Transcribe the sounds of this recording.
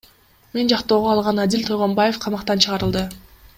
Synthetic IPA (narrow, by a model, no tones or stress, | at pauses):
me̞nd͡ʒɑqt̪o̞ːʁoɑlˠʁɑnad̪ʲilʲt̪ʰojʁo̞mbaje̞fqʰɑmɑqt̪ɑnt͡ʃʰɯʁɑɾɯlˠd̪ɯ